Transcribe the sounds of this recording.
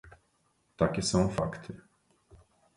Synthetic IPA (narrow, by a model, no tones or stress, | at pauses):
t̪akɪsɐ̃w̃fa̰kt̪ʰʊ